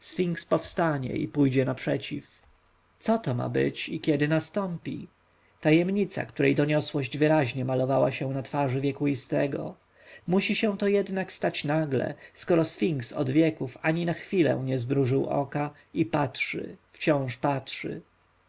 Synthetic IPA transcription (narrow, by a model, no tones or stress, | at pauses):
sfʲiŋkspɔfst̪aɲɛ̰ḭpujd͡ʑɛnapʂɛt͡ɕif | t̪sɔt̪ɔma̰bɘ̰t͡ɕikʲjɛd̪ɘnast̪ɔmpʲḭ | t̪ajɛmɲit̪sa̰kt̪uɾɛjd̪ɔɲɔswɔʑd͡ʑvɘɾaʑɲɛmalɔvawaɕɛ̃nat̪faʐɘvʲjɛkuist̪ɛ̰ɡɔ̰ | muɕiɕɛ̃w̃t̪ɔjɛd̪nakst̪at͡ɕnaɡlɛ̰skɔɾɔsfʲiŋksɔ̰d̪vʲjɛkufaɲinaxfʲilɛ̰̃w̃ɲɛzbɾuʐɘwɔ̰ka | ipatʂɘ̰ft͡ɕɔ̃w̃ʂpatʂɘ̰